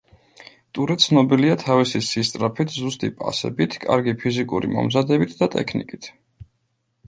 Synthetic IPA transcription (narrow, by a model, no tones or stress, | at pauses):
t̪ʼuɾɛt̪sʰnɔbiliat̪ʰavisisist̪sʼɾapʰit̪ʰzust̪ʼipʼa̰sɛ̰bit̪ʰkʼa̰ɾɡipʰizikʼṵɾḭmɔ̰mzad̪ɛbit̪ʰd̪at̪ʼɛ̰kʰnikʼit̪ʰ